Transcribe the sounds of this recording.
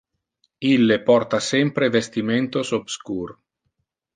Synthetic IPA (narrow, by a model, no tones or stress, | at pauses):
ilːepɔrt̪asɛmpɾevest̪iment̪osobskuːr